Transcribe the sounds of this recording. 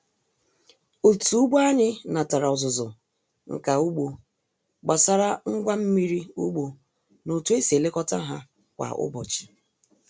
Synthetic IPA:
o˨tu˨u˦ɡ͡ba˦ɲɪ˦na˨ta˨ɾa˨ɔ˨zʊ˨zʊ˨ | ŋ̩̰˨ka˨u˦ɡ͡bo˨ | ɡ͡ba˨sa˦ɾa˦ŋ̩˦ɡʷa˦m̩˦mi˦ɾi˦u˦ɡ͡bo˨ | no˨tu˦e˦se˨le˦kɔ˦ta˦ɦa˦ | kʷa̰˨ʊ̰˦bɔ˨t͡ʃɪ̥˨

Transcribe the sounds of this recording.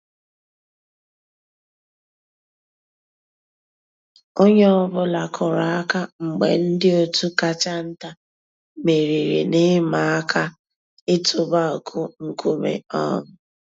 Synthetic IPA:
o˦ɲe˦ɔ˦bʊ˦la˨kʰʊ˨ɾa˨a˦ka˦ŋ͡m̩˨ɡ͡bḛ˨n̩˦dɪ˦o˦tu˦ka˨t͡ʃa˦n̩˦ta˦ | me˨ɾi˨ɾḭ˨nɪ˦ma˨a˦kʰa˦ | ɪ˦tʰʊ˨ba˦o˨kʰʊ˦ŋ̩˦ku˦mḛ˨ɔ̰˦ŋʊ˦

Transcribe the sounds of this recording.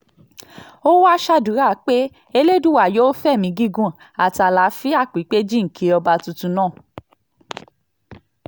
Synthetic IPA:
o˦wa˦ʃa˦du˨˦ɾa˦˨˦k͡pe˦ | e˧le˦dũ˦wa˨jo˦fɛ˦˨mĩ˨˦ɡi˦˨ɡũ˦˨ | a˨ti˨a˨˧˨la˨˦fi˦a˦˨k͡pi˨˦k͡pe˦d͡ʒĩ˦˨ŋ̩˨kʰi˨˧˦ɔ˧ba˧tu˧tũ˧nãː˦˨

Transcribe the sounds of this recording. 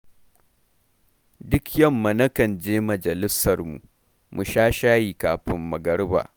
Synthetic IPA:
dʊ˦kjɐ˦˨mːa˨nɐ˦kɐ˨nd͡ʒeː˦mɐ˨d͡ʒɐ˨lɪ˦sɐ˨rmṵ˨ | mu˨ʃaː˦ʃaː˦jiː˨kaː˨ɸɪ˦mːɐ˨ɡɐ˦rba̰ː˨

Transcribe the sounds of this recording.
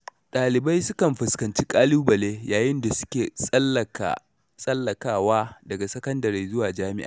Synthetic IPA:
ɗʼaː˨lɪ˨bɐ˦jsʊ˦kɐ˨mɸɪ˨skɐ˨nt͡ʃi˦kʼaː˦luː˦bɐ˨leː˦jaː˨jɪ˦nda˨sʊ̥˦kʲḛː˨˦˨ | sʼɐ˦lːɐ˨kaː˦waː˦dɐ˨ɡa˨sɐ˦kɐ˦ndɐ˨ɾi˨˦zʊ˦waː˨d͡ʒaː˦mɪ˦ʔa̰˨

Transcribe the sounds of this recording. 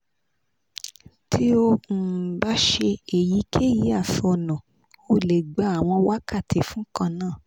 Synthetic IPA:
tʰi˦o˧˨ba˦ʃe˧e˨ji˨˦kʰe˦˨ji˨˦a˦˨fɔ˧˨nã˨ | o˧le˨ɡ͡ba˨˦a˨w̃ɔ̃˧wa˦ka˦˨tʰe˨fũ˦kã˧nãː˦˨

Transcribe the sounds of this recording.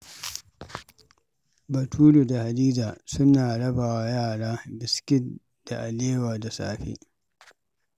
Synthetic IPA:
bɐ˨tʰuː˦lu˨da˨ha˨diː˦d͡ʒaː˨sʊ˦naː˨ɽɐ˦baː˨wa˦jaː˦˨ɽaː˦bɪ˨skʲɪ˦ | d̥a˨ʔa˨leː˦waː˨da˨sa̰ː˦˨ɸḛ˦

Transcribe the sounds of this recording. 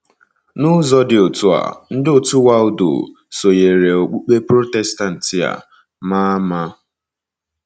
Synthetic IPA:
nʊ˦zɔ˦dɪ˨o˨tu˦a̰˨n̩˦dɪ˦o˨tu˦wa˦ʊ˦do̰˨ | so˨je˨ɾe˨o˨k͡pu˦k͡pe˦pɾo˦tɛ˨sta˦n̩˨tɪ˨a̰˨ | ma˦ma˦

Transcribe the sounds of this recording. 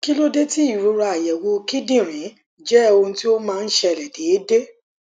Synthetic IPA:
ki˦lo˦de˦ti˦i˦˨ɾo˨˧˦ɾa˧a˨jɛ˨wo˨˧ki˦dĩ˦˨ɾ̃ĩ˨˦ | d͡ʒɛ˦o˧ũ˧ti˦o˦mãː˦˧n̩˦ʃɛ˧˨lɛ˨de˨˦e˦de˦

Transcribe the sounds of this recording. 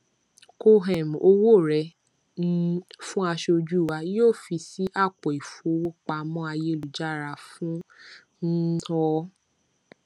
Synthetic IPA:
ko˧ɦɛ˨m˨o˧wo˦˨ɾɛ˧ | n̩˦fũ˦a˧ʃoo˧d͡ʒu˦˨wa˧˦joː˦˨fi˧si˦ʔa˦˨k͡pɔ˨i˨fu˨o˧wo˦k͡pa˧mɔ̃˦a˧je˦˨lu˨d͡ʒa˦˨ɾa˧fũ˦ | n̩˦ɔ˧˦

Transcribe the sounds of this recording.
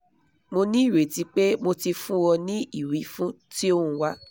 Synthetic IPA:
mo˧nĩ˦i˦˨ɾe˨ti˨˦k͡pe˦mo˧ti˧fũ˦wɔ˧nĩ˦i˦˨wi˨˦fũ˦ti˦o˦hũ˧˦wa˦

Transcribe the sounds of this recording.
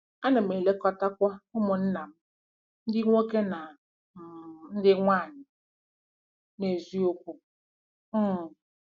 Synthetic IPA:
a˦na˨me˨le˦kɔ˦ta˦kʷa˦ʊ˦mʊ˨n̩˦na˨m̩˦ | n̩˦dɪ˦ŋʷo˦ke˦na˨ | n̩˦dɪ˦ŋʷaː˦˨ɲɪ˨ | ne˨zi˦o˦kʷu˦ | m̩˦˨

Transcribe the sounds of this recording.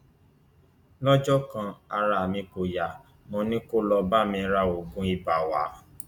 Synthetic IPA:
lɔ˦d͡ʒɔ˦kã˧a˧ɾa˧˨mĩ˧ko˨ja˨ | mɔ̃˧nĩ˦ko˦lɔ˧ba˦˨mĩ˧˦ɾa˧˨o˨ɡũ˧˦i˧ba˨wa̰˨˦

